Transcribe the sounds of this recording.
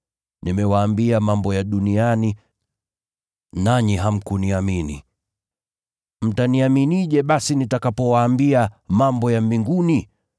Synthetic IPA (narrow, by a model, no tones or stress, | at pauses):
nimɛwaːmbiamambɔjaɗuniani | naɲiɦam̩kuniaminḭ | m̩taniaminiʄɛɓasinitakapɔwaːmbiamambɔjambiŋɡuni